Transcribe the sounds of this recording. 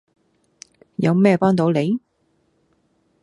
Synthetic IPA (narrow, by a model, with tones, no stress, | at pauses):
jɐ˨˧wmɛː˥˧paː˥ŋt̪o˨˧wle˨˧j